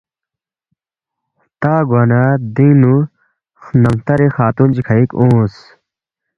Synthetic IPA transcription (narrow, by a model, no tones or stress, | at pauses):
t̪aːɡaːnaːd̪inu | nɐmt̪ɐɾixaːt̪und͡ʑikʰɐikõːs